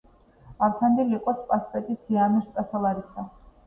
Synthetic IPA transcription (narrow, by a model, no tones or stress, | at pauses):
avt̪ʰand̪ilikʼɔspʼaspʼɛt̪ʼit̪ʰiamiɾskʼasalˠaɾisa